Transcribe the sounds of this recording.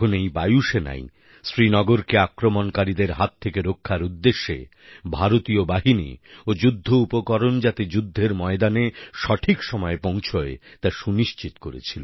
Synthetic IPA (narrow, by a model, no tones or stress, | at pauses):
onejbajuʃena̰j | sɾinɔɡoɾkeakɾomonkaɾid̪eɾɦat̪ʰːekeɾokʰːaɾud̪ːeʃːḛ | bʱaɾot̪iobaɦinḭod͡ʑud̪ʱːoupokɔɾond͡ʑat̪ed͡ʑud̪ʱːeɾmɔed̪aneʃɔʈʰikʃɔmɔepõw̃t͡ɕʰoet̪aʃuniʃt͡ɕit̪o̥koɾḛt͡ɕʰilo